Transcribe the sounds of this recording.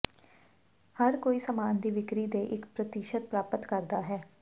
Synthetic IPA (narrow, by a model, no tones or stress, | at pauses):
həɾkoːiːsəmaːnd̪iːʋɪkɾiːd̪eːʔɪkpɾət̪ɪʃət̪̚pɾaːpət̪kəɾd̪aːɦɛː